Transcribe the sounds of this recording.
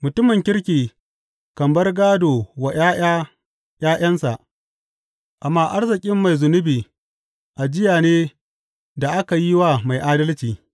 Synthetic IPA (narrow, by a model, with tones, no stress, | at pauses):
mʊ˨tʊ˦mɪ˨ŋkʲɪ˦ɽkʲiː˨ | kɐ˨mbɐ˦rɡaː˦doː˨wa˨ja˦ | jaː˦j̰ʔɐ˦nsa˨ʔ | ʔa˨mːaː˦˨ʔa˦rzɪ˨kʲʼɪ˦mːa˨jzʊ˨nʊ˦biː˨ | ʔa˨d͡ʒɪ˦jaː˨neː˦ | da˨ʔa˦ka˨ji˦wa˦ma˨jʔaː˦dɐ˦lt͡ʃiː˨